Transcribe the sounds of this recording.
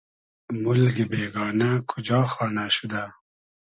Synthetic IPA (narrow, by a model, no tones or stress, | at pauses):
mʊlɡibeːɡɑːnakʰʊd͡ʒɑːxɑːnaʃud̪a